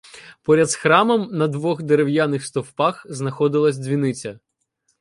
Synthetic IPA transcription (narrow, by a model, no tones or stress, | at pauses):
pɔɾʲɐd̪sxɾɑmɐmnɐd̪ʋɔɣd̪eɾewjanɪxst̪ɔwpɑxznɐxɔd̪ɪlˠɐsʲzʲʋʲinɪt͡sʲɐ